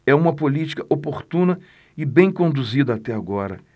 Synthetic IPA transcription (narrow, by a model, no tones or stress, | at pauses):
ɛũmɐpolit͡ʃi̥kɐʔopoɾt̪ũnɐ | ɪbẽj̃kõnd̪uzid̪ɐat̪ɛaɡɔɾɐ